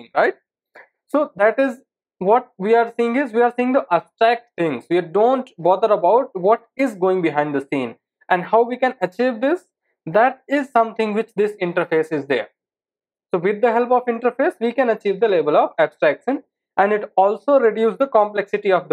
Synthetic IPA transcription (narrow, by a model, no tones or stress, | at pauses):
ŋɾaɪʈ̚ | soːd̪æʈɪz | ʋɔʈ̚ʋiːaɾsiːɪ̃ŋɡɪzʋiːaɾsiːɪ̃ŋd̪əʔæbsʈɾæk̚ʈ̚t̪ʰɪ̃ŋsʋiɖõːɳʈbɔːd̪əɾəbaʊʈ̚ʋɔʈɪzɡoːɪ̃ŋbɪɦãɪ̃ɳɖd̪əsĩːn | ʔɛ̃ɳɖhaʊʋiːkɛ̃nət͡ʃiːʋd̪ɪs | d̪æʈ̚ɪzsʌ̃mt̪ʰɪ̃ŋʋɪt͡ʃd̪ɪsɪ̃ɳʈəɾfeːsɪzd̪ḛːɾ | soːʋɪd̪ːəɦɛlpɔfɪ̃ɳʈəɾfeːsʋikɛ̃nət͡ʃiːʋd̪əleːbəlɔːʋæbsʈɾækʃə̃n | æ̃nɖɪʈɔːlsoːɾɪɖjuːsd̪əkɔ̃mplɛksɪʈiɔʋd̪